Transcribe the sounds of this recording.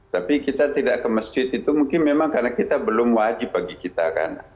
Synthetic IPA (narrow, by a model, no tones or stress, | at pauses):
t̪apikit̪at̪idaʔkəməsd͡ʒɪt̪it̪umuŋkɪnmemaŋkarnakit̪abəlʊmwad͡ʒɪp̚baɡikit̪a̰ka̰n